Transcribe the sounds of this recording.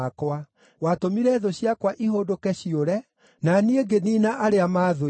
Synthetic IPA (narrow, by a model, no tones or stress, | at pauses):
kwa | watomiɾɛðoɕjakwaʔiɦodokɛɕioɾɛ | nanieɡeninaʔaɾeamaːðo